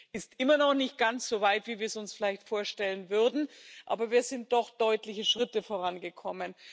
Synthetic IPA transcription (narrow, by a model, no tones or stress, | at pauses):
ʔɪstʔɪmɐnɔχnɪçt̚ɡ̥ant͡sz̥oːvaɪtv̥iːviːɐsʊnsfɪlaɪçtfoːɐʃtɛlənvʏʁdn̩ʔa̰ːbɐviːɐzɪnt̚d̥ɔχd̥ɔʏtlɪçəʃʁ̥ɪtəfoːʁanɡəkʰɔmən